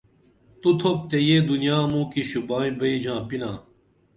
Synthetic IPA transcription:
t̪ut̪ʰop̚t̪ejeːd̪unjaːmũːkiɕubaːĩbɐid͡ʑãːpinãː

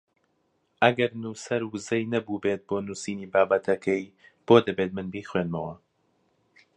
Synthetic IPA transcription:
ʔɐɡɐɾnuːsɐɾwɨzɐjnɐbuːbeːt̪̚boːnusiːniːbaːbɐt̪ʰɐkʰɛjb̥oːd̪ɐbet̪̚mɨnbiːxweːnmɐwɐ

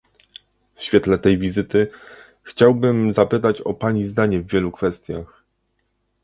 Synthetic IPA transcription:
fɕfʲjɛt̪lɛt̪ɛjvʲizɘt̪ɘ | xt͡ɕawbɘmzapɘt̪at͡ɕɔ̰paɲizd̪aɲɛvːʲjɛlukfɛst̪ʲjax

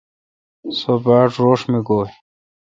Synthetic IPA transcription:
sobaːʈɾoːʂmiɡoː

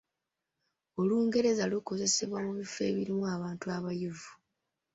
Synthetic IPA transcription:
o̞luːŋɡe̞ɾe̞zaluko̞ze̞se̞βwamuβife̞̰ːβiɾimuaβaːntuaβajuvu

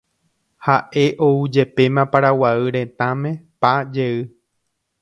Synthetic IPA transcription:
haʔe̞ʔoud͡ʒe̞pe̞mãpaɾawaɨɾẽ̞t̪ãmẽ̞pad͡ʒe̞ɨ

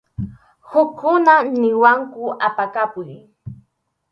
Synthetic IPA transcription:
hʊkːʊnanɪwaŋkʊʔapakapʊj

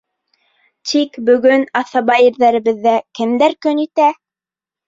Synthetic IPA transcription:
t̪ʰikbɵ̆ɡɵnɑθɑβɑjɘ̆ɾðæɾɘ̆βɘ̆ðːækɘ̆md̪æɾkɵnit̪æ

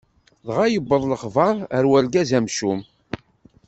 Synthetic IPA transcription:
ðʁajəbːəðˤləχvɑɾˤəɾwælɡæzæmʃum

